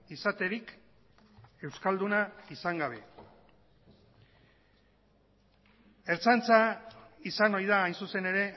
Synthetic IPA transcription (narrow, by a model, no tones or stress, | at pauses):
isat̪e̞ɾik | e̞wskald̪unaisaŋɡaβ̞e̞ | eɾt͡sant͡saisano̞jð̞aːjnsuse̞ne̞ɾe̞